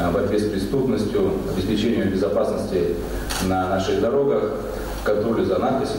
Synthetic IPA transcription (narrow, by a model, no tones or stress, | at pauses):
bɐt̪ʲvʲespɾʲɪst̪upnəsʲtʲjʊɐbʲɪsʲpʲɪt͡ɕenʲɪjʊbʲɪzɐpasnəsʲtʲɪ | nɐnaʂɨɣd̪ɐɾo̞ɡəx | kɐnt̪ɾolʲɪzɐnat̪pʲɪsʲ